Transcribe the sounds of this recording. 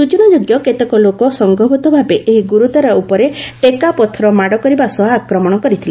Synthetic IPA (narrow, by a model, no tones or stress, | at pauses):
sut͡ʃɔnɔd͡ʒoɡjɔket̪ekɔlokɔsɔŋɡʱɔbʱɔt̪ɔbʱabeʔeɦiɡuɾut̪aɾɔupɔɾeʈekapɔt̪ʰɔɾɔmaɽɔkɔɾibasɔɦaːkɾɔmɔɽ̃ɔkɔɾit̪ʰila